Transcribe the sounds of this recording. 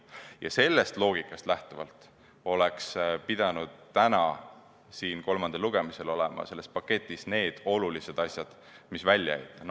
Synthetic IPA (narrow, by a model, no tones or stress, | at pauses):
jɑ̰se̞lːe̞st̪lo̞ːɡ̥ikːˑɑst̪læht̪uvɑlt̪ˑ | o̞lekspid̪̥ɑnud̪̥ːænɑ | siːnko̞lmɑnd̪̥eluɡ̥e̞mise̞lo̞lɛ̰mɑ̰se̞lːe̞spɑkːe̞t̪ʲːˑisne̞ːd̪̥o̞lulise̞d̪ɑsʲjɑd̪̥ | misvælʲːjɑ̰æ̰jt̪ːˑɑn